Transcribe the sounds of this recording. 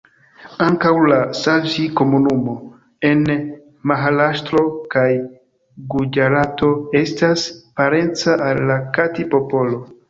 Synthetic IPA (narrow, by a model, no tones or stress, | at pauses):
aŋkawlasalʒiko̞munumo̞ | e̞n | maɦalaʃtɾo̞kaj | ɡud͡ʒaɾato̞e̞staspaɾe̞nt͡saʔalːakatipo̞po̞lo̞